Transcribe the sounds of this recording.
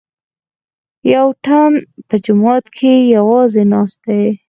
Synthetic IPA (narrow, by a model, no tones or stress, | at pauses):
jawʈanpəd͡ʒʊmɑt̪kʰejawɑzenɑst̪̚d̪aj